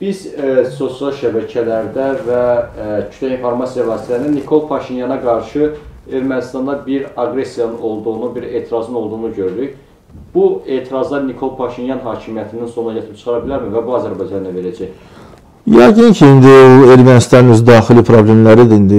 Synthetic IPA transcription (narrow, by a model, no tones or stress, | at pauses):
b̥iz̥so̞siɑlˠʃæbæcʰælæɾd̪ævæcʰy̥t̪læinfo̞ɾmɑsijɑvɑːsit̪ʰæsininikʰo̞lˠpʰɑʃinjɑnɑɡɑɾʃɯe̞ɾmænist̪ɑnd̪ɑbiɾɑɡɾe̞sjɑnɯno̞lˠd̪uɣunubiɾe̞ːt̪ʰiɾɑzɯno̞lˠd̪uɣunuɟøɾyd̪yç | b̥ue̞ːt̪ʰiɾɑzlˠɑɾnikʰo̞lˠpʰɑʃinjɑnɦɑːcʰimijæt̪ʰind̪inso̞nɾɑjɑt̪ʰɯp̚t͡ʃʰɯ̥χɑɾɑbilæɾmivæbuɑzæɾbɑjd͡ʒɑnd̪ɑnve̞ɾæd͡ʒæj | jæɟincʰiind̪iueɾmænist̪ɑnnøzd̪ɑːxilipʰɾoble̞mlæɾid̪iind̪i